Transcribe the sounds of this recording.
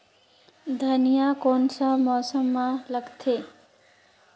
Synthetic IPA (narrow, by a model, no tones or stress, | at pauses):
d̪ʱɐnijakoːnsamɔːsəmːãləɡt̪ʰeː